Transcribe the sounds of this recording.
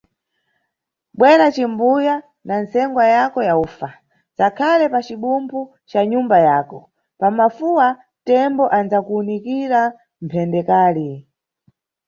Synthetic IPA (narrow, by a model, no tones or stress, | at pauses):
ɓwɛɾat͡ʃimbuja | nansɛŋɡwajakɔjauːfa | t͡sakʰalɛpat͡ʃiɓumpʰu | t͡ʃaɲumbajaːkɔ | pamafuwa | tɛmbɔʔand͡zakuːnikiɾa | m̩pʰɛndɛkaːli